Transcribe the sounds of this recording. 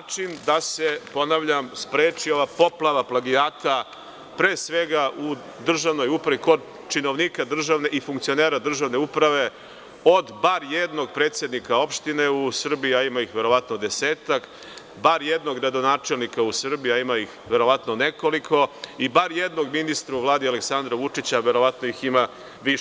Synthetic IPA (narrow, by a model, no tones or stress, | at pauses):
at͡ʃind̪ase̞po̞naʋʎamspɾeːt͡ʃio̞ʋapo̞plˠaʋaplˠaɡiaːt̪a | pɾe̞ːsʋe̞ɡau | d̪r̩ʒaʋno̞jupɾaʋiko̞d̪ | t͡ʃino̞ʋnikad̪r̩ʒaʋneʔifuŋkt̪sio̞neːɾad̪r̩ʒaʋne̞upɾaʋe̞ | od̪baɾjed̪no̞ɡ̚pɾet̪sjed̪nikao̞pʃt̪ine̞usr̩biaimaixʋe̞ɾo̞ʋat̪nod̪e̞seːt̪ak | baɾjed̪noɡɾad̪o̞naːt͡ʃe̞lˠnikausr̩biaimaix | ʋe̞ɾo̞ʋat̪noneko̞likʰo̞ibaɾjed̪no̞ɡminist̪ɾauʋlˠaːd̪ialeksand̪ɾaʋut͡ʂit͡ɕaʋe̞ɾo̞ʋat̪nojixima | ʋiʃ